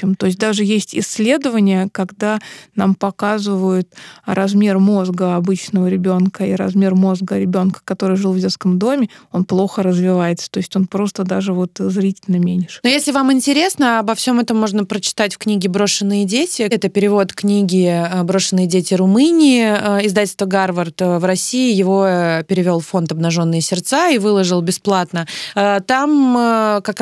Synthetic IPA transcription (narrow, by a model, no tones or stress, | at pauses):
emt̪o̞ɪsʲt̚ʲd̪aʐɨjesʲtʲɪsʲːlʲe̞d̪əvənʲɪjəkɐɡd̪anampɐkazɨvəjʊt̪ɾɐzmʲermo̞zɡəɐbɨt͡ɕnəvəɾʲɪbʲo̞nkəiɾɐ̰zmʲe̞rmo̞zɡəɾʲɪbʲo̞nkə̥kɐt̪o̞ɾɨjʐɨlˠvdʲe̞t̪skəmd̪o̞mʲɪo̞nplˠo̞xəɾəzvʲɪvajɪt̪sə̥t̪o̞ɪsʲtʲo̞npɾo̞st̪əd̪aʐɨvo̞t̪zɾʲitʲɪlʲnəmʲenʲɪʂnojesʲlʲɪvamɪnʲtʲɪɾʲe̞snəabɐfsʲo̞mɛt̪əmːo̞ʐnəpɾət͡ɕɪ̥t̪atʲfʲknʲiɡʲɪbɾo̞ʂɨnːɨjədʲetʲɪɛt̪əpʲɪɾʲɪvo̞t̪knʲiɡʲɪbɾo̞ʂɨnːɨjədʲetʲɪrʊmɨnʲɪɪəɪzd̪atʲlʲst̪vəɡarvərt̪vɾɐsʲiɪjɪvo̞pʲɪɾʲɪvʲo̞lˠfo̞nt̪ɐbnɐʐo̞nːɨjəsʲɪrt̪saivɨlˠəʐɨlˠbʲɪsplˠat̪nət̪amkak